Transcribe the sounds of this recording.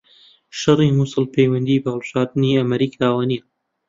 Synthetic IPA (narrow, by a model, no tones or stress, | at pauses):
ʃɐrimuːsɨlpʰejwɐnd̪iːbɐhəlˠbɨʒaːɾd̪ɨniːɐmɐɾiːkʰaːwaniː